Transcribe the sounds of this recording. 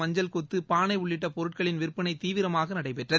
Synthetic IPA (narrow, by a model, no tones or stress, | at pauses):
ɐɲd͡ʒɐlkɔt̪ːɯpaːnɐɪʊɭːɪʈːɐpɔɾɯʈ̚kɐɭɪnʋɪrpːɐnɐɪt̪iːʋɪɾɐmaːɣɐnɐɽɐɪpɛʈrɐ